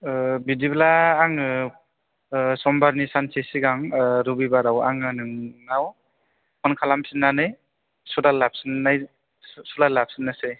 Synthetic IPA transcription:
bidiblaːŋɯ | sɔmbaɾnisansʰesiɡaŋɾubibaɾawa̰ŋɯnɯŋnaw | kɔnkʰalampʰinːanɯj | sulalap̚sɯnːaj | sulalap̚sɯnːɯse

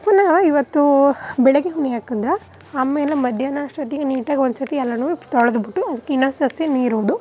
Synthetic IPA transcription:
ɐpːɐnaːʋɐiʋɐt̪ːubɛɭɐɡeɦunːiaːkɐnd̪ɾɐ | aːmeːlemɐd̪ʱjɐːnaʂʈɐt̪iɡeniːʈaːɡonsɐt̪iɛlːɐnuːt̪ɔɭɐd̪ubiʈːuɐd̪ɐkːeinɐːsɐseniːɾuːd̪u

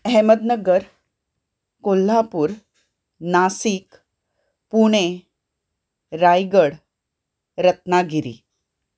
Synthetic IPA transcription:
ɦɛməd̪nəɡəɾ | kolːapuːɾ | nasik | puɽ̃e | ɾajɡəɽ | ɾət̪naɡʱiɾḭ

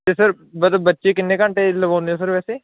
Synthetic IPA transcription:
t̪eːsəɾ | bəd̪əbətːʃeːkɪnːeːkãːɳʈeːləbaːnd̪eoːsəɾʋɛːseː

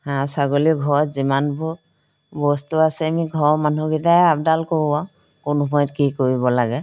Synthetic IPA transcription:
hãsaɡoliɡʱɔɹɔtzimanbʱu | bɔstuasɛamiɡʱɔɹɔmanuɡitaab̚dalkoɹubã | kʊnumʰɔjtkikoɹibɔlaɡɛ

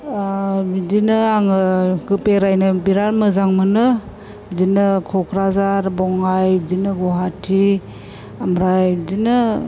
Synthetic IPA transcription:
bdinɯaŋɯɡɯpeɾajnɯbiɾaɾmɯzaŋmɯnɯ | bdinɯkʰɔkʰɾazaɾbɔŋajbdinɯɡɔɦatʰi | amɾajbdinɯ

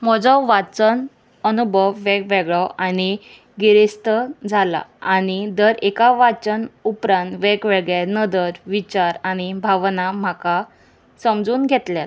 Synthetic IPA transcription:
m̤ɔd͡zɔʋat͡sən | ənubʱəʋːekʋɛɡɭɔʔaɽ̃i | ɡiɾist̪əd͡zʱala̰añid̪əɾekaʋat͡ɕənupɾãnt̪ʋekʋɛɭɡɭjenəd̪əɾʋit͡ɕaɾaɽ̃ibʱaʋnamaka | səmd͡zuːnɡʱet̪lja

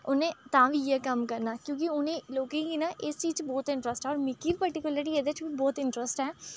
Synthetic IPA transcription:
ʊnẽːt̪ãːʋiːjɛkəmkəɾnaːkjõːk̬iʊnẽːloːkẽːɡiːnaːʔɪst͡ʃiːd͡ʒbɔːt̪ɪ̃ɳʈɾəsʈɦɛːɔːɾmɪkːiːpəɾʈɪkʊləɾiːɛd̪et͡ʃbiːbɔːt̪ɪɳʈɾəsʈɦɛː

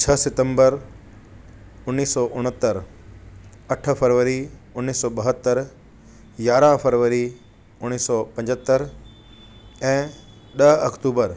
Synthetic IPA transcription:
t͡ɕʰɐsɪt̪ə̃mbəɾ | ʊnːiːsːɔʔʊɽ̤̃ət̪ːəɾ | ɐʈ̆ʰfəɾʋəɾiʊnːiːsɔːɓəɦət̪ːəɾ | jaːɾãfʰəɾʋəɾi | ʊñiːsːɔpɐ̃ɲd͡ʑət̪ːəɾ | ɛ̃ː | ɗɐɦɐkt̪uːbəɾ

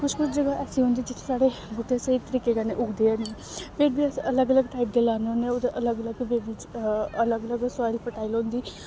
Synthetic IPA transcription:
kʊt͡ʃʰkʊt͡ʃʰd͡ʒəɡaːʔɛːsiːɦʊ̃ːnd̪iːd͡ʒɪt̪ʰːesaːɽebʱʊʈːẽsəit̪əɾiːkeːɡaneʔʊɡd̪eːne | pʰeɾbiːɛsələɡələɡʈaːiːp̚d̪eːlaːneoneod̪eʔələɡələɡʋeːbit͡ʃələɡələɡsaːɪlpəʈaːilɦõːnd̪iː

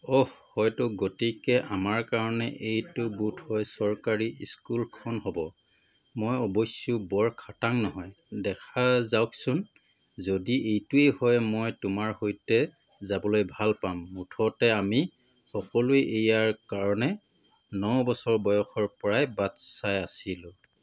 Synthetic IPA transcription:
ɔhhɔjtʊɡotekɛʔamaɹkaɹɔnɛ̰ʔejtʊbutʰhɔjsɔɹkaɹiiskulkʰɔnhɔbɔ | mɔjɔbojsjubɔɹkʰataŋnɔɦɔj | dɛkʰazawksʊn | zodiejtuejhɔjmɔjtʊmaɹhojtɛ | zabɔlojbʱalpamːutʰɔtɛami | xɔkɔlueʔejaɹkaɹɔnɛ | nɔwbɔsɔɹbɔjɔxɔɹpɔɹajbatsajasilʊ

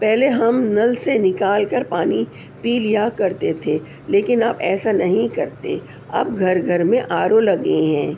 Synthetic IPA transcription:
pɛɦleɦɐmnɐlsenɪkaːlkɐɾpaːni | piːljakɐɾt̪et̪ʰe | leːkɪnaːbɛ̰ːsanɐɦĩkɐɾt̪ḛ | ɐ̰b̚ɡʱɐɾɡʱɐɾmẽʔaːɾolɐɡẽɦɛ̃ː

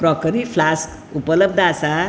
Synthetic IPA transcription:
pɾɔkəɾipʰlask | upələb̚d̪asa

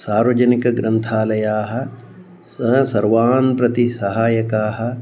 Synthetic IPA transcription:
saːɾʋɐd͡ʒɐnikɐɡɾɐnt̪ʰaːlɐjaːɦɐ̆ | sɐsɐɾʋaːnpɾɐt̪isɐɦaːjɐkaːɦɐ̆

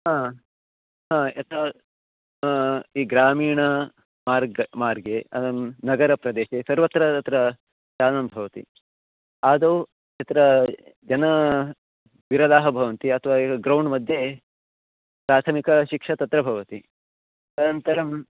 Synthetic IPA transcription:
ɦaː | ɦãːɐt̪ɐ | iːɡɾaːmiːɳɐ | maːɾɡmaːɾɡeɐd̪ɐmnɐɡɐɾɐpɾɐd̪eːʃesɐɾʋɐt̪ɾɐt̪ɐt̪ɾɐ | t͡ʃaːɐnɐmbʱɐʋɐt̪ḭ | aːd̪ɐ | ɐt̪ɾɐd͡ʒɐnɐ | ʋiɾɐd̪aːɦɐbʱɐʋɐnt̪iɐt̪ʰɐʋaːiɐɡɾɐwɳmɐd̪ʱje | pɾaːt̪ʰɐmikɐʃikʂɐt̪ɐt̪ɾɐbʱɐʋɐt̪i | t̪ɐnɐnt̪ɐɾɐm

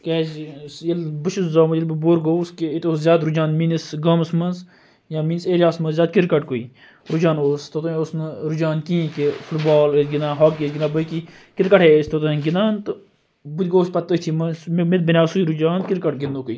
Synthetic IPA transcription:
kɛːd͡ʒsjɐlbɨʃuszaːmɐjilbboɾɡoskeit̪oːszʲjaːd̪ɾud͡ʒaːnminisɡɐːmsmɐnz | jãːminiseːɾjaːsmɐnzjʲaːd̪̚kiɾkɐʈ̚koiː | ɾud͡ʒaːnoːst̪ot̪õosnɨɾud͡ʒaːnkĩːkefʰʊʈbaːlɡʲinãːɦaːk̚ɡesɡɪnãːbəki | kɪɾkɐʈʰeːsʲt̪ot̪uɡɪnaːnt̪ | but̪ʲɡoːspɐt̪ːət͡ʃʰimɐsmmet̪̚binʲjaːsuiɾud͡ʒaːnkɪɾkɐʈɡɪnd̪oːkui

